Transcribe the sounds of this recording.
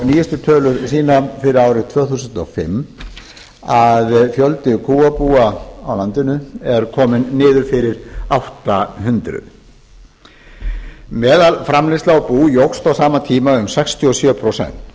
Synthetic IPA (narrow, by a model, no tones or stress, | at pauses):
niːjɛst̪ʏt̪ʰœːlʏɾsiːnafɪɾɪɾaːwɾɪt̪ʰvœːθusʏnt̪ɔfɪ̰m | aðfjœlt̪ɪkʰuːapuːaawlant̪ɪnʏɛɾkʰɔːmɪnːɪːðʏɾfɪɾɪɾ̥awht̪aɦʏnt̪ɾʏ̰ð | mɛːðalfɾamlɪst̪awpuːjowxst̪awsaːmat̪ʰiːmaʏmsɛkst̪ʰjiɔsjœːpʰɾosɛ̰n̥t̪